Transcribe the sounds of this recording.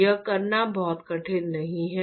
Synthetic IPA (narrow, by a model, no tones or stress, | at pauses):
əkɐɾnabɔːt̪kɐʈʰeːd̪nɐɦĩɦɛ